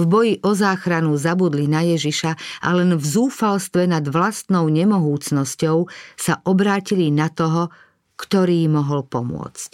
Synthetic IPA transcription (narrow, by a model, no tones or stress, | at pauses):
vbɔjiʔɔzaːxɾanuzabud̪linajɛʒiʃaʔa̰lɛnvzuːfalst̪ʋɛnad̪ʋlast̪nɔʊɲɛmɔɦuːt͡snɔscɔʊsaʔɔbɾaːcilinat̪ɔɦɔ | kt̪ɔɾiːmɔɦɔlpɔmʊɔ̰t͡sc